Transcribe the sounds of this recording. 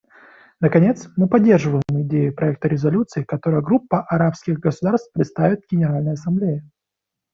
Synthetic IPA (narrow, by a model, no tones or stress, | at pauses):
nəkɐnʲe̞t̪smɨpɐdʲːe̞rʐɨvəjɪmɪdʲejɪpɾʔɐɛk̚t̪əɾʲɪzɐlʲut̪sɨɪkɐt̪o̞ɾəjəɡɾupːəʔɐɾapskʲɪɣɡəsʊd̪arst̪̚pɾʲɪt̪st̪avʲɪt̪̚ɡʲɪnʲɪɾalʲnəjəɐsɐmblʲejɪ